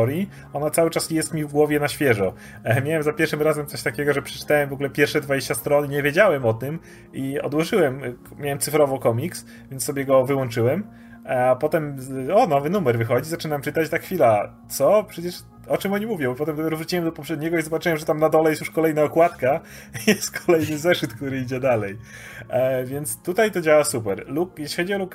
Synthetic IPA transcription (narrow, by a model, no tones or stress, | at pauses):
ɔɾji | ɔnat̪sawɘt͡ʂasjɛst̪mʲivɡwɔvʲjɛnaɕfʲjɛʐɔ | mʲjawɛmzapʲjɛɾʂɨmɾazɛmt̪ɔɕt̪akʲɛɡɔʐɛpʂɛ̥t͡ʂɘ̥t̪awɛmvɔɡulɛpʲjɛɾfʂɛd̪vad͡ʑeɕt͡ɕast̪ɾɔnɲɛvʲjed͡ʑawɛmɔt̪ɘm | iɔ̰d̪wɔʐɘwɛm | mʲjawɛmt̪sɨfɾɔvɔkɔmʲiks | vʲjɛnt̪sɔbʲjɛɡɔvɘwɔnt͡ʂɘwɛm | pɔt̪ɛmɔnɔvɘnumɛɾvɘxɔd͡ʑizat͡ʂɘnamt͡ʂɘt̪at͡ɕt̪axfʲilat̪sɔpʂɛt͡ɕɛʂ | ɔt͡ʂɛmɔɲimuvʲjɔ̃wpɔt̪ɛmd̪ɔpʲɛɾɔvɾut͡ɕiwɛmd̪ɔpɔpʂɛd̪̚ɲɛɡɔizɔbat͡ʂɘwɛmʐɛt̪amnad̪ɔlɛjɛstjuʂkɔlɛjnaɔkwat̪ka | jɛst̪̚kʰɔ̥lɛjnɘzɛʂɘt̪kt̪uɾɘid͡ʑɛd̪alɛj | vʲjɛnt̪st̪ut̪ajt̪ɔd͡ʑawasupɛɾlukjɛɕlʲixɔd͡ʑiɔluk